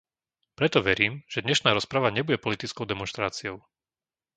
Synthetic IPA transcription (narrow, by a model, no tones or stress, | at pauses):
pɾɛt̪ɔʋɛɾiːmʒ̥ɛd̪ɲɛʃnaːɾɔspɾaʋaɲɛbuɟɛpɔlit̪it͡skɔʊd̪ɛmɔnʃt̪ɾaːt͡siɔʊ